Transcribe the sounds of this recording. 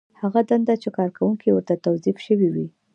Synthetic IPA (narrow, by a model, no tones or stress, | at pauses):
haɣad̪and̪at͡ʃekɑɾkawuŋkiwəɾt̪at̪awzifʃəwiwi